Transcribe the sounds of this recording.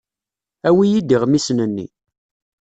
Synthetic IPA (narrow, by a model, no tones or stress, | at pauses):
æwijid̪iʁmisnənːḭ